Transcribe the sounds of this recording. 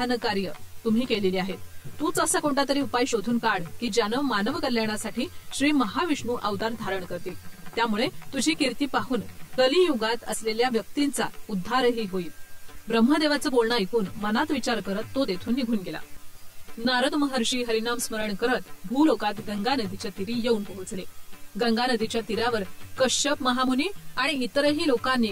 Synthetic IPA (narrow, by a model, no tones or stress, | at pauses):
anəkaɾjət̪um̤ʱiːkeleliːaɦet̪ũt͡səsakoɳʈat̪əɾiːupajɕod̪ʱuːnkaɽkiːd͡ʑjanəmanəʋkəɾljaɳ̃asaʈʰiːɕɾiːməɦaʋiʂɳuːʔaʋd̪aɾd̪ʱaɾəɳkəɾt̪iːt̪jamuɭet̪ud͡ʑʱiːkiɾt̪iːpaɦuːnkəlijuɡat̪ə̰sleljaʋjək̚t̪int͡sa̰ud̪ʱːaɾɦiːɦoiːt̪bɾəm̤ːəd̪eʋat͡səːbolɳaekuːnmənat̪ʋit͡ɕaɾkəɾət̪ːod̪et̪ʰuːnːiɡʱuːnɡela̰ | naɾəd̪məɦəɾɕiːɦəɾinamsməɾəɳkəɾət̪bʱuːlokat̪ɡəŋɡanəd̪it͡ɕjat̪iɾiːjeunpuɦut͡sleɡəŋɡanəd̪it͡ɕjat̪iɾaʋəɾkəɕəpməɦamuniːaɽ̃iːt̪əɾəɦiːlokanːi